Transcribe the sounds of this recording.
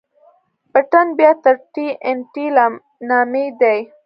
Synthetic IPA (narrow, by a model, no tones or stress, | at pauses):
paʈanbjɑt̪əɾʈiʔenʈilam | nɑmed̪aj